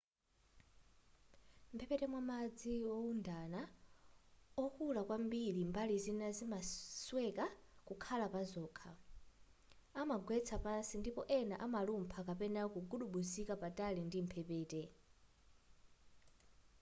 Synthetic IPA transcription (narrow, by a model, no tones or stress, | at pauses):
m̩pʰɛpɛtɛmwamad͡ziɔundana | ɔkulakwambiɺimbalizinazimaswɛkakukʰalapazɔːkʰa | amaɡwɛt͡sʰapansindipɔʔɛnaʔamalumpʰakapɛnakuɡuɗuɓusikapatʼalindim̩pʰɛpɛːtɛ